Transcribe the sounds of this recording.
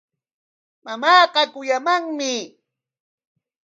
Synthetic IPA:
mamɑːqɑkʊjamaŋmɪ

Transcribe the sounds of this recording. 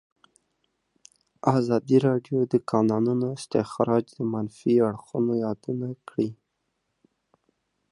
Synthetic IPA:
ɑzɑd̪iɾɑɖjod̪əkɑnɑnunoɪst̪ɪxɾɑd͡ʒd̪əmanfiaɽxunojɑd̪unakɽi

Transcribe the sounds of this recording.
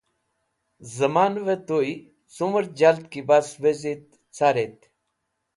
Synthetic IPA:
zəmaːnʋet̪oi | suməɾd͡ʑalt̪kibasʋezit̪ | t͡sʰaːɾet̪

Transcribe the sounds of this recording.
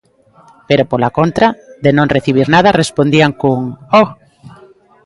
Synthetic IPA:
peɾopolakont̪ɾaðenõŋreθiβ̞iɾnað̞ɐrespond̪iaŋkuŋo

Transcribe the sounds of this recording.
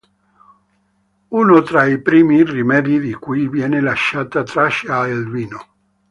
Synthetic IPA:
uːnot̪ɾaipɾiːmirimɛd̪id̪ikujvjɛːnelaʃːaːt̪at̪ɾaʃaelviːno

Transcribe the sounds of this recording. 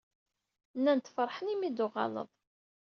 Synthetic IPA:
nːænt̪ːfəɾˤħənimid̪uʁɑ̰lə̰ðˤ

